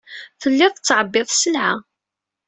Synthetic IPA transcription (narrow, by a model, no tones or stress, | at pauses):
θəlːɪðˤt͡sːʕəbːɪðˤsəlʕa